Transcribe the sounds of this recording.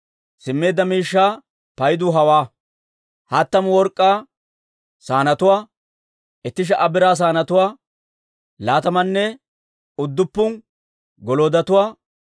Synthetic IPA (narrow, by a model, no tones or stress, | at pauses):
sɪmːe̞ːd̪ːɐmiːʃːaː | pɐjd̪ʊɦɐwaː | hɐt̪ːɐmwɔɾkʼːaː | saːnɐt̪ʊwaː | ʔɛt̪ːɪʃ̬ɛʔɐbɪɾaːs̬aːnɐt̪ʊwaː | laːt̪ɐmɐnːɛ | ʊd̪ːʊpːʊn | ɡɔloːd̪ɐt̪ʊwaː